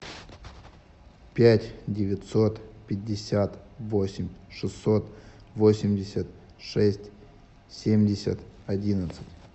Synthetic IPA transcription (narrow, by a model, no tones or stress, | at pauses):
pʲætʲdʲɪvʲɪt̪so̞t̪pʲɪdʲːɪsʲat̪vosʲɪmʲʂɨsːo̞t̪ | vosʲɪmʲdʲɪsʲət̪ | ʂɛsʲtʲ | sʲemʲdʲɪsʲə̰t̪ɐdʲinət̪sɨ̥tʲ